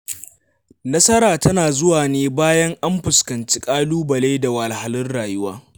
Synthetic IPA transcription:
nɐ˦sɐ˦ɾaː˨tɐ˦naː˨zʊ˦waː˨neː˦baː˦jɐ˦ŋʔa˦mɸʊ˨skɐ˨nt͡ʃi̥˦kʼaː˦luː˦bɐ˨leː˦da˨wa˨lɦa˨lʊ˦rɽaː˨jʊ˦waː˦

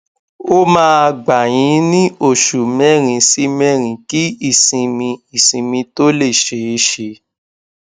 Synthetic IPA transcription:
o˦mãː˦a˧ɡ͡ba˨j̃ĩ˨˧˦nĩ˦o˦˨ʃu˨mɛ˦ɾ̃ĩ˧si˦mɛ̃˦ɾ̃ĩ˨ki˦i˦˨sĩ˨mĩ˧i˦˨sĩ˨mĩ˧to˦le˦˨ʃe˨e˧˦ʃe˧

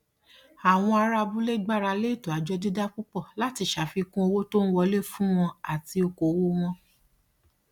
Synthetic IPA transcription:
a˨w̃ɔ̃˧a˧ɾa˧bu˦le˦ɡ͡ba˦˨ɾa˧le˦i˦˨to˨a˨d͡ʒɔ˧di˦da˦k͡pu˦k͡pɔ˦˨la˨˦ti˧ʃa˨fi˧kũ˦o˧wo˦to˦n̩˦wɔ˧le˦˨fũ˦w̃ɔ̃˧a˨ti˧o˧ko˨˧wo˦w̃ɔ̃˧

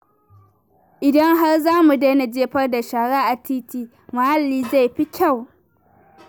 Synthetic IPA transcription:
ʔɪ˨dɐ˦ŋɦa˦rzaː˦mu˨deː˦na˨d͡ʒeː˦ɸɐ˦rda˨ʃaː˨ɽaː˦ʔa˨tʰiː˦tiː˦ | ma˨ha˦lːiː˨za˦˨jɸi˦kʲa˦˨w

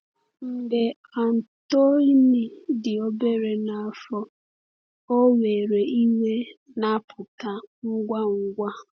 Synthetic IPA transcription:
n̩˨de˨ | a˨n̩˨to˦i˦ni˨dɪ˨o˦be˦ɾe˨na˨a˨fɔ˦ | o˦we˨ɾe˨i˦me˦ | na˦pʰʊ˨ta˨ŋ̩˦ɡʷa˦ŋ̩˦ɡʷa˦

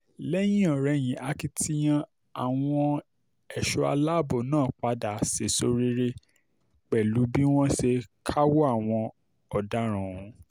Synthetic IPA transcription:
lɛ˦j̃ĩ˦ɔ˨ɾɛ˧˦˨j̃ĩ˨˦ʔa˨ki˦tʰi˦j̃ã˦ | a˨w̃ɔ̃˧ | ɛ˨ʃɔ˧a̰˧la˦˨bo˨nãː˦˨k͡pa˧da˨se˨so˧ɾi˦ɾe˧ | k͡pɛ˨lu˨˦bi˦w̃ɔ̃˦ʃe˧kʰa˦wo˦a˦˨w̃ɔ̃˧ | ɔ˨da˨˦ɾ̃ã˨ũ˨˦

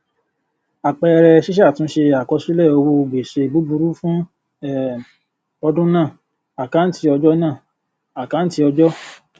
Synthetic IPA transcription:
a˨k͡pɛ˧ɾɛ˧ʃi˦ʃa˦˨tũ˨˦ʃe˧a˨kɔ˧si˦lɛ˦˨o˧wo˧ɡ͡be˨ʃe˧˨bu˨˦bu˧ɾu˦fũ˦ | ɛ˦˨ | ɔ˧dũ˦nãː˦˨ | a˨ka˨˦n̩˦ti˧ɔ˧d͡ʒɔ˦nãː˦˨ | a˨ka˦n̩˦ti˧ɔ˧d͡ʒɔ˦

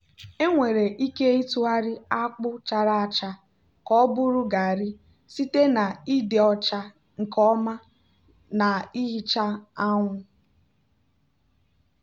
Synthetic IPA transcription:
e˦ŋʷe˨ɾe˨ʔi˦ke˦i˦tu˦a˦ɾɪ˦a˦k͡pʊ˦t͡ʃa˨ɾa˦a˨t͡ʃa˦ | kɔ˦bʊ˦ɾʊ˦ɡa˨ɾɪ˦ | si˦te˦na˨i˦dɪ˨ɔ˨t͡ʃa˦ | ŋ̩˨kɔ˦ma˦ | na˨i˦ɦi˦t͡ʃa˦a˦ŋʷʊ˦

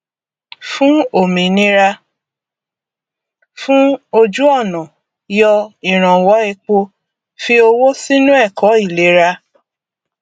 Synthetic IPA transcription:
fũ˦o˦˨mĩ˨nĩ˦ɾa˧ | fũ˦o˧d͡ʒu˦ɔ˦˨nã˨ | jɔ˧i˨ɾ̃ã˨wɔ˨˦ɛ˧k͡po˧ | fi˧o˧wo˦si˦nũ˦ɛ˦˨kʰɔ˨˦i˦˨le˨˦ɾa˧

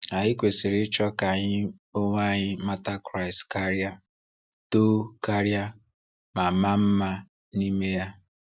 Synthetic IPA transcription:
a˨ɲɪ˦kʷe˨sɪ˨ɾɪ˦t͡ʃɔ˦ka˨ɲɪ˦o˦ŋʷ˦a˦˨ɲɪ˦ma˦ta˦kɾa˨ɪ˨ska˦ɾja˦ | to˦ka˦ɾja˦ | ma˨ma˦m̩˦ma˦ | ni˦me˦ja˦

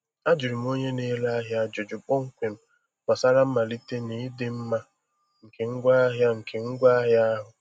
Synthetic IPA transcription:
a˦d͡ʒu˨ɾi˨m˦o˦ɲe˦ne˦la˦a˦ɦja˦d͡ʒʊ˨d͡ʒʊ˨k͡po˦ŋ̩˦kʷe˨m̩˦ | k͡pa˨sa˦ɾa˦m̩˦ma˨li˦te˦ni˨i˦de˦m̩˦ma˦ | ŋ̩˨ke˨ŋ̩˦ɡʷa˦a˦ɦja˦ŋ̩˨kʰe˨ŋ̩˦ɡʷa˦a˦ɦja˦ɦʊ˨

